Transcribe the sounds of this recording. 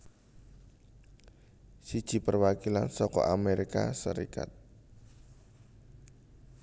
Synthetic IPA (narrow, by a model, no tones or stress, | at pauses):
sid̥ʒ̥i̤pərwakilansɔkɔ̰ʔameɾikasəɾika̰t̪̚